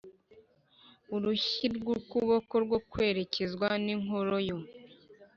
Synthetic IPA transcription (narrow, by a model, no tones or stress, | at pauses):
uɾuçiɾɡukuβo̞ko̞ɾɡwokwe̞ːɾe̞cezɡwaniŋoɾo̞jo